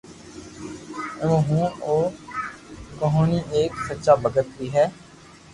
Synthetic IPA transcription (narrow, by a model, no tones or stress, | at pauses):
əõːɦũːoː | kəɦõːniːʔeːksətːʃaːbəɡət̪biːɦɛː